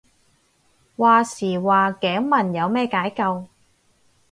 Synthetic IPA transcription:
waː˨siː˨˩waː˨˩kɛː˨˥ŋmɐ˨˩njɐ˨˧wmɛː˥kaː˨˥jkɐ˧w

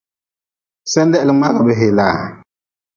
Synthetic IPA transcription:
sɛ˦ndɛ˦ʔlɨ˨ŋ͡ma˦ɣa˨bɛ˨˦ɦe˨la˨

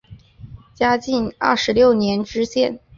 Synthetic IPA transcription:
t͡ɕja˥t͡ɕi˥˩˧nɐ̰˥˩ʂɻ̩˧˥ljo˥˩ʊnjɛ˧˥nʈ͡ʂɻ̩˥ɕjɛ̰˥˩n

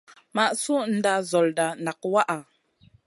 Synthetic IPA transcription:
ma˨ʔsu˦n̩˦da˦zɔ˨lda˨na˨k̚wa˦ʔa˨

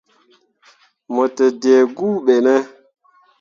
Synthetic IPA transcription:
mɔ˨te˨de˨ɡu˦ɓe˨nɛ˦

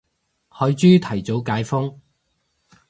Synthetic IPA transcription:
hɔː˨˧ɥt͡ʃyː˥t̪ʰɐ˨˩jt͡so˨˥wkaː˨˥jfʊ˥ŋ

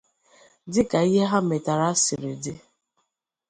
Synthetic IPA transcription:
dɪ˦ka˨i˦ɦe˦ɦa˦me˨ta˨ɾa˦si˨ɾɪ̰˨dɪ˦

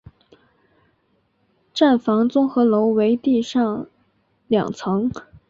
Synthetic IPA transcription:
ʈ͡ʂa˥˩nfɑ˧˥ŋt͡sʊ˥ŋxɤ˧˥lo˧˥ʊwe˧˥ɪt̪i˥˧ʂɑ˥˩ŋ | ljɑ̰˨˩ŋt͡sʰɤ˧˥ŋ

